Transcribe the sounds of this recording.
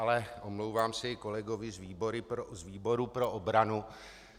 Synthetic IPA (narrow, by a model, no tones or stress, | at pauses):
alɛʔomlowvaːmsɪko̞lɛɡovɪzviːboɾɪpɾozviːbo̞ɾupɾo̞ʔobɾanu